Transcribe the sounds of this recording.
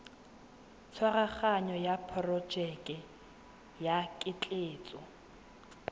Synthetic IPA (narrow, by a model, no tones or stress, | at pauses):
t͡sʰwaraχaɲɔjapʰrɔ̥d͡ʒɛkʼɛ | jakʼɪt͡ɬʼeːt͡sʼɔ